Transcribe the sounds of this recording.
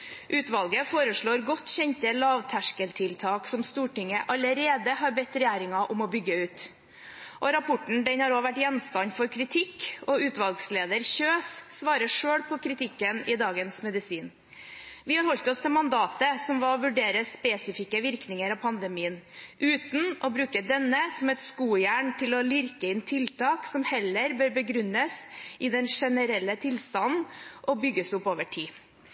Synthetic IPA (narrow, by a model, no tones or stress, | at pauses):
ʔʉːt̪ʋɑlɡəfoːɾəʂɭoːɾɡɔt̪ːçɛnt̪əlɑːʋt̪ʰæʂkəlt̪ʰɪlt̪ʰɑːksɔmst̪uːʈɪŋəʔɑləɾeːd̪əhɑɾbɛt̪ːɾɛjæːɾɪŋɑʔɔmɔbʏɡːəʉːt̪ | ʔɔɾɑpʰɔʈɳ̩d̪ɛnhɑɾoːʋæʈjɛnst̪ɑnfɔɾkʰɾɪt̪ʰɪkːɔʉːt̪ʋɑlˠɡsleːd̪əɾçøːsːʋɑːɾəʂøːɽpʰɔkʰɾɪt̪ʰɪkːənɪd̪ɑːɡənsmɛd̪ɪsiːn | ʋɪhɑɾhɔlt̪ɔst̪ʰɪmɑnd̪ɑːt̪əsɔmʋɑɾɔʋʉɖeːɾəspɛsɪfɪkəʋɪɾknɪŋəɾɑpʰɑnd̪əmiːənʔʉːt̪n̩ʔɔbɾʉːkəd̪ɛnːəsɔmɛt̪skuːjæːɳt̪ʰɪlɔlɪɾkəɪnt̪ʰɪlt̪ʰɑːksɔmhɛlːəɾbøːɾbəɡɾʉnːəsɪd̪ɛnʂɛnəɾɛlːət̪ʰɪlst̪ɑnn̩ʔɔbʏɡːəsʊpːoːʋəʈʰiː